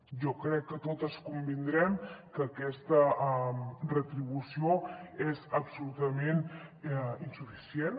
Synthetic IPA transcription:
ʒɔkɾɛkːət̪ot̪əskumbind̪ɾɛmkəːkɛst̪əmrət̪ɾiβusioezəpsulut̪əmen | insufisjen

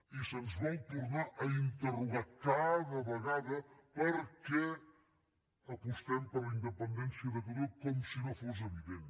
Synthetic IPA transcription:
isənzβɔwt̪uɾnaʔəint̪əruɣakaðəβəɣaðəpəɾkɛ | əkust̪ɛmpələind̪əpənd̪ɛnsiəðət̪uɾekɔmsinofos̬əβiðen

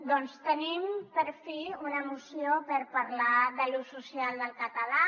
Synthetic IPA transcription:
d̪ɔnst̪ənimpəɾfiunəmusiopəɾpaɾlaðəlususialˠd̪əlˠkət̪əla

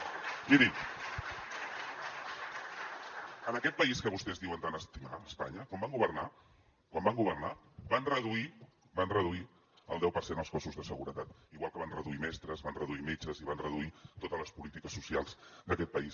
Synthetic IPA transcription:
ʒiɾi | ənəkɛt̪̚pəiskəβust̪ɛzðiwənt̪anəst̪imaəspa̰ɲəkɔmbaŋɡuβərna | kwambaŋɡuβərnabanrəðui | banrəðui | ə̰lˠd̪ɛwpərsenəlˠskɔsuzðəsəɣuɾət̪at̪iɣwalˠkəβanrəðuimɛst̪ɾəzβanrəðuimet͡ʃəziβanrəðuit̪ot̪ələspulit̪ikəsːusialˠzd̪əkɛt̪̚pəis

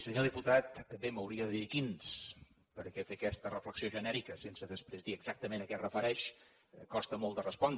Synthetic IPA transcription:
səɲoðiput̪at̪ːəmbeməwɾiəðəðikins | pəɾkɛfekɛst̪ərəfləksioʒənɛɾikəsensəðəspɾezðiəɡz̥ak̚t̪əmenəkɛrəfəɾɛʃ | kɔst̪əmɔlˠd̪ərəspɔnd̪

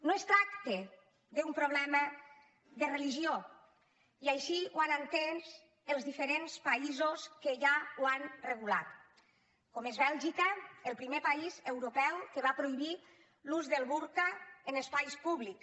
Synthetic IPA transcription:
noest̪ɾakt̪e | ðeumpɾoβ̞lɛmə | ðereliʒio | iajʃiwanant̪enz | elˠzðifeɾenspaizoskeʒawanreɣ̞ula̰t̪ | komezβɛlˠʒikəelˠpɾimepaizewɾupɛwkeβ̞apɾoiβi | luzðelˠβuɾkaenespajspuβlik

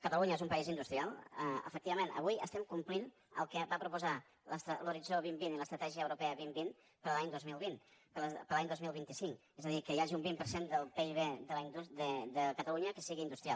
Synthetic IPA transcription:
kət̪əluɲəezumpəizind̪ust̪ɾialˠəə̰fək̚t̪iβəmenə̰βujə̰st̪ɛmkumplin | ə̰lˠkəβapɾupuza | ləst̪ɾəluɾid͡zoβimbiniləst̪ɾət̪ɛʒiəːwɾupɛəβimbin | pəɾəlaɲd̪ozmilˠβinpəpəɾlaɲd̪ozmilˠβint̪isiŋk | ɛzəðikəjaʒiumbimpəɾsend̪əlˠpeiβed̪əlaiɲd̪ud̪əd̪əkət̪əluɲəkəsiɣind̪ust̪ɾija̰lˠ

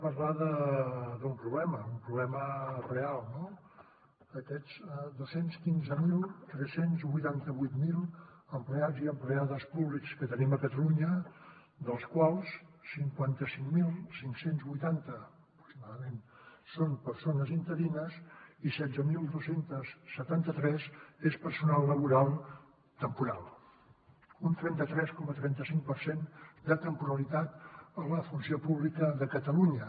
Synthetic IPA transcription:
pəɾlaðəðumpɾuβlɛməumpɾuβlɛmərealˠno | əkɛzɛd̪osenskinzəmilˠt̪ɾɛsenzβujt̪ant̪əβujt̪milˠəmplead͡ziəmpleaðəspuβlikskət̪əniməkət̪əluɲə | d̪əlˠskwalˠssiŋkwant̪əsiŋmilˠsiŋksenzβujt̪ant̪əəpɾuksimaðəmen | sonpəɾsonəzint̪əðinəsisɛd̪d͡zəmilˠd̪osent̪əsːət̪ant̪ət̪ɾɛzespəɾsunalˠːəβ̞uɾalˠ | t̪əmpuɾa̰lˠ | unt̪ɾɛnt̪ət̪ɾɛskɔmət̪ɾɛnt̪əsiŋk̚pəɾsend̪ət̪əmpuɾəlit̪at̪ələfunsiopuβlikəðəkət̪əluɲə

